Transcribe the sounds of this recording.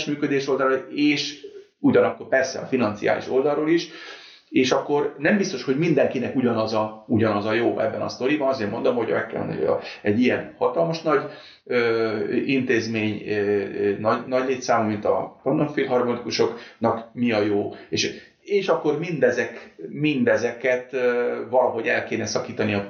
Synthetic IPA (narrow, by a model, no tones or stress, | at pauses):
ʃmyːkød̪eːʃo̞ld̪ɒɾɒeːʃ | uɟɒnɒkːo̞rpɛrsɛ̰ɒ̰finɒnt̪sija̰ːlḭʃo̞ld̪ɒlɾoːliʃ | eːʃɒkːo̞rnɛmbist̪o̞ʃho̞ɟmind̪ɛŋkinɛkuɟɒnɒzɒuɟɒnɒzɒjoːʔɛ̰bːɛnɒ̰st̪o̞ɾibɒnɒzeːrmo̞nd̪omhoɟɒ̰mɛ̰kːɛ̰l̰n̰j̰ɛɟːijɛnhɒt̪ɒlmɒʃnɒɟ | øːint̪eːzmeːɲ | nɒɟnɒɟleːt̪saːmumint̪ɒ̰pɒnd̪oɱfilɦɒrmolikuʃo̞knɒkmiɒjoːeːʃ | eːʃɒkːo̞rmind̪ɛzɛkmind̪ɛzɛkɛt̪vɒlɒɦo̞ɟɛlkeːnɛsɒkiːt̪ɒniɒ